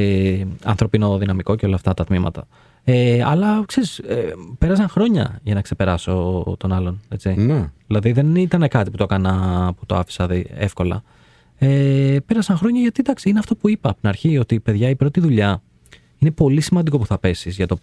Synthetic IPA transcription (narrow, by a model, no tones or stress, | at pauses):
eɐ̰nθɾo̞pino̞ðinɐmiko̞ceo̞lɐːft̪ɐt̪ɐt̪mimɐ̰t̪ɐ̰ | eɐ̰lɐkse̞ɾisepe̞ɾɐs̬ɐŋxɾo̞ɲɐ̰ʝɐnɐkse̞pe̞ɾɐso̞t̪o̞nɐlo̞ne̞t͡sineðilɐðiðe̞nit̪ɐne̞kɐt̪iput̪o̞kɐnɐput̪o̞ɐfi̥sɐðiefko̞lɐ̰ | epeɾɐsɐŋxɾo̞ɲɐʝɐt̪id̪ɐksiineɐft̪opuipɐpt̪inɐɾçio̞t̪ipeðʝɐipɾo̞t̪iðuʎɐ | inepo̞lisimɐnd̪iko̞puθɐpe̞sizʝɐt̪o̞